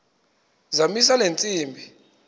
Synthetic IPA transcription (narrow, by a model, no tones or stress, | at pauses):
zamis̬alent͡sʼiːmbʱi